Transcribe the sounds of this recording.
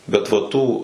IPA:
ˈbʲɛt ʋɐ ˈtuː

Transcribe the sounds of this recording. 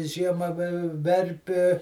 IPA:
ˈʒʲiɛmɐ ʋʲɪ ˈʋʲɛrʲpʲɪ

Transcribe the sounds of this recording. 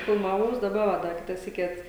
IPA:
fʲɪlˠmɐˈʋɐʊs dɐˈbɐ ʋɐ ˈdɐ ˈkʲɪtɐ ˈsʲiːkʲɪ ˈɐt

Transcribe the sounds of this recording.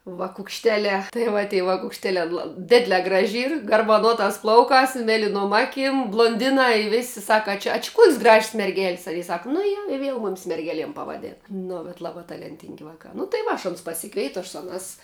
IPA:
ʋɐkʊkʃʲˈtʲæːlʲæː tɐɪ ˈʋɐ tʲiː ʋɐkʊkʃʲˈtʲæːlʲæː lˠɐ ˈdʲɪdʲlʲɛː ˈɡrɑːʒʲɪ ˈiːr ɡɐrbɐˈnuɔtɑːs ˈplˠɐʊkɑːs ɪ ˈmʲæːlʲɪnuɔm ˈɑːˌkʲɪm blˠuɔnʲˈdʲɪnɑː ɪ ˈʋʲeːsʲɪ ˈsɑːkɐ ɐ ˈt͡ʃʲɛ ɐ t͡ʃʲɪ kuɔkʲsʲ ɡrɐʃʲsʲ mʲɛrʲˈɡʲɛlʲsʲ ɐ jiɛ ˈsɐk nʊ ˈjɛ ɪ ˈʋʲiɛlˠ ˈmʊmʲɪs mʲɛrʲˈɡʲæːlʲiɛm pɐʋɐˈdʲeːnɐ ˈnʊ bʲɛt ˈlˠɑːbɑː tɐlʲɛnʲˈtʲɪŋʲɡʲɪ ˈʋɑːkɑː nʊ tɐɪ ˈʋɐ ɐʃ ɐˈnʊs pɐsʲɪˈkʋʲɛɪtʊ ɐʃ ˈsʊ ɐˌnɑːs

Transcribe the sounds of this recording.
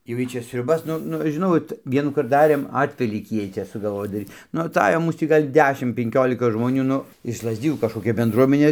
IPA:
jɛʊ ˈjiː ˈt͡ʃʲɛ sʲrʲʊˈbɐs ˈnʊ ˈnʊ ʒʲɪˈnɐʊ oːt ˈʋʲiɛnuːkɐrt ˈdɑːrʲeːm ˈɑːtʲʋʲɛlʲiːkʲiː ˈjiɛj ˈt͡ʃʲɛ sʊɡɐlˠˈʋoːj dɐˈrʲiːt nʊ ɐˈtɑːjoː ˈmuːs tʲiː ˈɡɐlʲ ˈdʲæːʃʲɪm pʲɛŋʲˈkʲoːlʲɪkɐ ʒmoːˈnʲuː ˈnʊ ɪʃ lˠɐzʲˈdʲɪjuː kɐʃkoːˈkʲɛ bʲɛnˈdruɔmʲɛnʲeː

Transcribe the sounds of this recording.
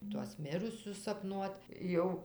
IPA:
tuɔs ˈmʲɪrʊsʲʊs sɐpˈnuɔt ˈjɛʊ

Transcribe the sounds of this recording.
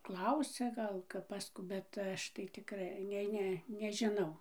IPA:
ˈklˠɐʊsʲɛ ˈɡɐlˠ kɐp pɐs ˈkuː bʲɛt ˈɐʃ tɐɪ tʲɪkˈrɐɪ ˈnʲɛɪ ˈnʲɛ nʲɛʒʲɪˈnɐʊ

